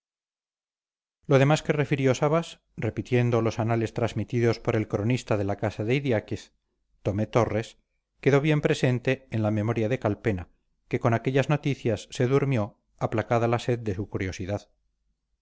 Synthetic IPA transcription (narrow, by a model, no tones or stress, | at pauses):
lo̞ðe̞maske̞re̞fiɾjo̞saβas | re̞pit̪je̞nd̪o̞lo̞sanale̞st̪ɾazmit̪iðo̞spo̞ɾe̞lkɾo̞nist̪aðe̞lakasaðe̞iðjakeθ | t̪o̞met̪o̞re̞s | keðo̞β̞je̞mpɾe̞se̞nt̪e̞ːnlame̞mo̞ɾjaðe̞kalpe̞na | ke̞ko̞nakeʎazno̞t̪iθjasːe̞ðuɾmjo̞ | aplakaðalase̞ðd̪e̞sukuɾjo̞siðað